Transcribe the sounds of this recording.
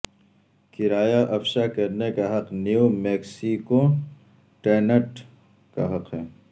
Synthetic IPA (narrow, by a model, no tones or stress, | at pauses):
kɪɾaːjaʔɐfʃakɐɾnekaɦɐqniumeːksiko | ʈeːnəʈ | kaɦɐqɦɛː